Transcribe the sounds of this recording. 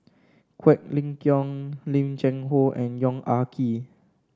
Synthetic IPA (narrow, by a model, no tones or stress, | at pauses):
kʰwɛk̚lĩŋkjɔ̃ŋlĩmd͡ʒɛ̃ŋɦoʔɛ̃njɔ̃ŋakʰi